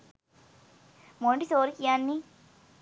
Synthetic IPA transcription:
moɳɖisoːɾikijaːnːi

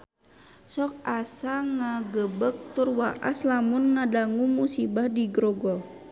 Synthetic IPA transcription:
sɔk̚asaŋaɡəbək̚t̪urwaʔa̰slamʊnŋadaŋumusibahdiɡɾɔɡɔl

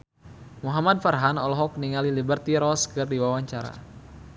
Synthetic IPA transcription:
muɦamad̚farɦanɔlɔɦɔkniŋalilibərt̪iɾɔskɨrdiwawaɲt͡ʃaɾa̰

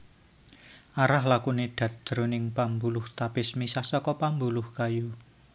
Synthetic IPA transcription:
ʔaɾahlakuneɖ̪̥ä̤t̪̚d̪̥ɾonɪŋpambulʊht̪apɪsmisasɔkɔpambulʊhkaju

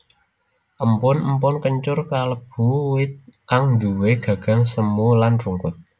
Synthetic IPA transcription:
ʔəmpʊnəmpʊnkəɲt͡ʃʊrkaləb̥ṳwɪt̪̚kaŋnd̪uweɡ̥ä̤ɡ̥ä̤ŋsəmulanruŋkʊt̪̚

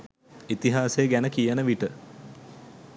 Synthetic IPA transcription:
it̪iɦaːseəɡænəkijənəʋiʈə

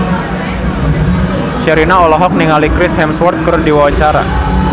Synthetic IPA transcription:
ʃɛɾinaɔlɔɦɔk̚niŋalikɾɪshɛmswɔrt̪̚kəɾdiwawaɲt͡ʃaɾa̰

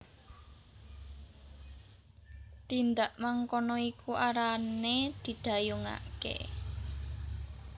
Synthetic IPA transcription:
t̪ind̪aʔmaŋkɔnɔikuʔaɾaned̪̥i̤d̪̥a̤juŋa̰kḛ

